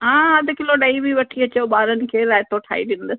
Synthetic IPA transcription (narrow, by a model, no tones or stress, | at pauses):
ɦãːɦɐd̪ʱkɪloɗɐibiʋɐʈʰiɐt͡ɕeɓaːɾənɪ̆kʰeːɾaːɦɪt̪ʰoʈʰa̰ːḭɗɪn̆d̪əs